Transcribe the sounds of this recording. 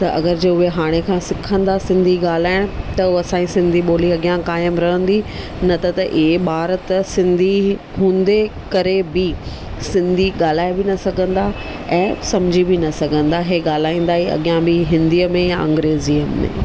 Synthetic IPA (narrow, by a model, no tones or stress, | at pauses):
t̪ɐʔɐ̰ɡəɾd͡ʑeːʊɦeɦaːɽ̃ekʰãːsɪkʰə̃nd̪asɪ̃nd̪ʱiɠaːl̤aːɪɽ̃t̪ɐɐsãːisɪ̃nd̪ʱiɓoːliɐɠijãkaːjəmɾɐɦə̃nd̪i | nɐt̪ɐt̪ɐʔiɦeɓaːɾət̪sɪ̃nd̪ʱi | ɦũːnd̪ekɐɾebɪ | sɪ̃nd̪ʱiɠaːl̤aːebɪnɐsɐɡʱə̃nd̪a | ɛ̃ːsɐmd͡ʑʱibɪnɐsɐɡʱə̃nd̪aɦeːɠaːl̤aːĩːnd̪aːɦiɐ̰ɠijãbɪɦɪ̃nd̪iəmẽjaʔɐ̰̃ŋɡɾeːzijəmːḛ̃ː